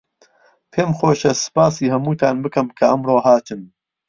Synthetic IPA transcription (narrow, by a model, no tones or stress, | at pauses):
pʰeːmxoːʃɐsɨ̥paːsiːhɐmuːt̪ʰaːnbɨkɐmkʰɐʔɐmroːɦaːt̪ʰɨm